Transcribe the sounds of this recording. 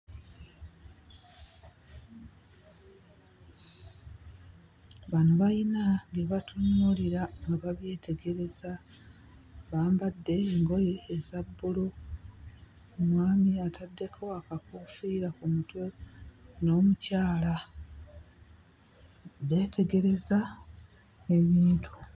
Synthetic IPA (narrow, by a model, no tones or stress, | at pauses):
βanuβainaβjeβatʰunːuliɾaŋɡaβaβje̞ːtʰe̞ɡe̞ɾe̞za | βaːmbadːe̞ːŋɡo̞jeːzabːulo | mwaːmiatʰadːe̞kʰo̞akakufiːɾakumutwe̞ | no̞ːmucaːla | βe̞ːtʰe̞ɡe̞ɾe̞za | e̞βiːntʰu̥